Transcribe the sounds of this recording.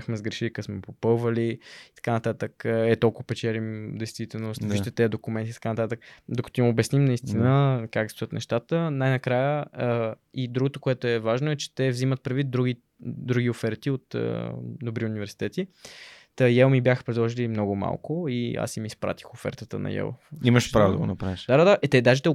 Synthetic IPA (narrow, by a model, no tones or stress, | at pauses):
axmɛzɡɾɛʃilikəsmɛpopɤlˠvəliit̪ɐ̥kanɐt̪at̪əkɛt̪ɔlˠkvpɛt͡ʃɛlimd̪ɛjst̪vit̪ɛlˠnost̪iʃt̪ɛt̪ɛɐd̪okʊmɛnt̪it̪ɐ̥kanɐt̪at̪əkd̪okə̥t̪oimobjɛsnimnɐist̪inəkakst̪ojət̪nɛ̰ʃt̪at̪ənajnɐkɾajə | id̪ɾuɡot̪okoɛt̪oɛvaʒnoɛt͡ʃɛ̥t̪ɛvzimət̪̚pɾɛd̪vit̪̚d̪ɾuɡi | d̪ɾuɡʲiofɛɾt̪iot̪ə̰d̪obɾiʊnʲivɛɾsi̥t̪ɛt̪it̪əjɛlˠmibjaxə̥pɾɛd̪lˠɔʒilimnɔɡʊma̰lˠkoia̰simiːspɾa̰t̪i̥xofɛ̰ɾt̪ət̪ə̰nɐ̰jɛ̰lˠiməʃpɾavod̪ə̰ɡo̰nɐpɾaviʃd̪ad̪ad̪aʔɛt̪ɛd̪aʒɛt̪ɛ